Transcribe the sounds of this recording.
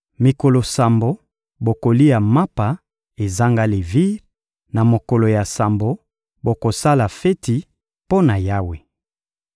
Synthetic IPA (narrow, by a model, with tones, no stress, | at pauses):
mi˨ko˨lo˨sa˨mbo˦ | bo˨ko˨li˦ja˨ma˦pa˨ | e˨za˦ŋɡa˦le˨vi˦ʁ | na˨mo˨ko˨lo˨ja˨sa˨mbo˨ | bo˨ko˨sa˦la˨fe˦ti˨ | po˦na˨ja˦we˦